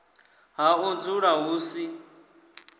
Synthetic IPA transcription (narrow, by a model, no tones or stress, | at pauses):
ɦaund͡zuɺaɦuːsi